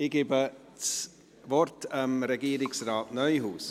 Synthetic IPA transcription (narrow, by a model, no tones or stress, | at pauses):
iɡ̥ɪbə | t͡s | vɔrtəmɾɛɡiːɾɪksraːtnœʏhuːs